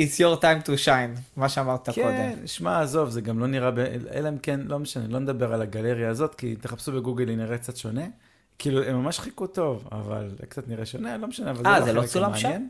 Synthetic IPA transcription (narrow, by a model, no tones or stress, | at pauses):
isjoʁtajmtuʃajnmaʃeamaʁt̪akkod̪emmniʃmaːzo̞vzeɡamlo̞niʁabeḛleemkenlo̞meʃanelo̞ned̪abeʁalaɡale̞ʁjaːzo̞t̪kit̪e̞χapsubeɡuɡeliniʁek̚t͡sat̪ʃone̞ | kiːluemːamaʃχikut̪o̞va̰va̰lkt͡sat̪niʁeʃonelo̞meʃaneavalzaazelosulamaʃjen